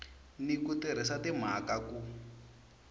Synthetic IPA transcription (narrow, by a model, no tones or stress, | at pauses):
nikutɛɾ̤ɛsatim̤akaku